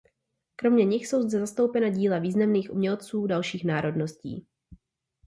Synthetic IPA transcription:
kɾo̞mɲɛɲɪxso̞wzd͡zɛzast̪o̞wpɛnaɟiːlaviːznamniːxʔumɲɛlt͡suːdalʃiːxnaːɾo̞dno̞scḭː

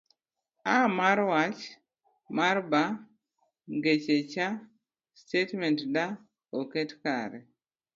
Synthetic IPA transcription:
amaɾwat͡ʃ | maɾba | ŋɡet͡ʃet͡ʃa | stetmɛntda | oketkaɾɛ

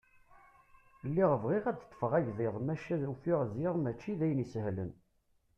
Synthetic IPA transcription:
lːiʁəvʁiʁæd̪t̪ˤːə̥fəʁæʝðɪðˤmæʃæðufiʁzɪʁmæt͡ʃːiðæjənisəhlə̰n

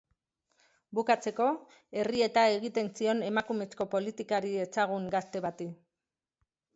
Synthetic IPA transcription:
bukat͡se̞ko̞ | e̞rie̞t̪ae̞ɣit̪e̞nsio̞ne̞makume̞sko̞po̞lit̪ikaɾie̞saɣ̞uŋɡast̪e̞βat̪i

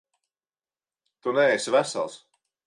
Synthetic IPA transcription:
t̪unɛɛsvæsa̰lˠs

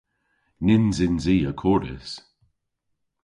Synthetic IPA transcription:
nɪnzɪnziːəkʰɔɾɪ̰s

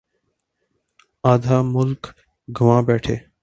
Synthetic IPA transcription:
aːd̪ʱaːmʊlk | ɡʱəʋãːbɛːʈʰeː

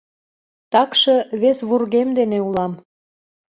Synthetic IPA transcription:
t̪ɑkʃɤβesβurɣemd̪eneulɑm

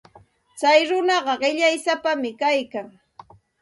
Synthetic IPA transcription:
t͡sajɾʊnɑɢɑɢɪʎajsapamɪkajkaŋ

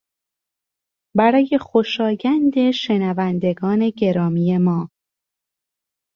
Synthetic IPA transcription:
bæɾɒːje̞xo̞ʃɒːjænd̪e̞ʃe̞nævænd̪e̞ɡɒːne̞ɟe̞ɾɒːmiːje̞mɒː

